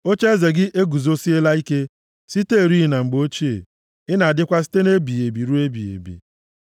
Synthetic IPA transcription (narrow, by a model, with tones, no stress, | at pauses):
o˦t͡ʃe˦ze˨ɡɪ˦ʔe˦ɡu˨zo˦si˦e˦la˦i˦ke˦ | si˦te˦˨ɾi˦˨na˨ŋ͡m̩˨ɡ͡bo˦t͡ʃi˦ḛ˨ | ɪ˦na˨a˨dɪ˦kʷa˦s̬i̥˦te˦ne˦bi˨e˨bi˨ɾu˦e˦bi˨ḛ˨bḭ˨